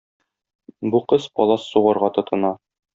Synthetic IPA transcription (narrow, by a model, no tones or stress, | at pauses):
buqɤspɒlˠɑsːuʁɑɾʁɑt̪ɤ̆t̪ʰɤ̆nɑ